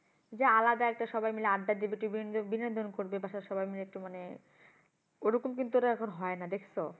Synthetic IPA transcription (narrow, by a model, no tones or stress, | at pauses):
d͡ʑaalad̪aɛk̚ʈaʃɔbajmileaɖːaɾd̪ibiʈibibined̪ʱonkoɾbebaʃaʃɔbajmileɛk̚ʈimane | oɾokumkint̪uoɾaɛkʰonɦɔenad̪ekʰso